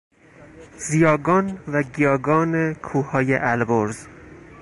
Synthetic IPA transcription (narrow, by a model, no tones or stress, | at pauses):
zijɒːɡɒːnvæɟijɒːɡɒːnekʰuːhɒːjeʔælboɾz